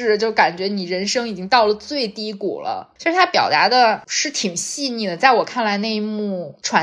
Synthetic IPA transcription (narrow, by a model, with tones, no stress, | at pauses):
ɻ̩˥˩t͡ɕjo˥˩ʊka˨˩nt͡ɕɥɛ˧˥ni˨˩ɻə˧˥nʂɤ˥ŋi˨˩t͡ɕi˥ŋt̪ɑ˥˩ʊlə˩t͡swe˥˩ɪt̪i˥kṵ˨˩lə̰˦t͡ɕʰɛ˧˥ʂ̩ɻ̩˥˩t̪ʰa˥pjɑ˨˩ʊt̪a˧˥d̪ə˧ʂɻ̩˥˩t̪ʰi˨˩ŋɕi˥˧ni˥˩d̪ə˩t͡sa˥˩ɪwɔ˨˩kʰa˥˩nla˧˥ɪne˥˧ɪi˧˥mu˥˩ʈ͡ʂʰwa˧˥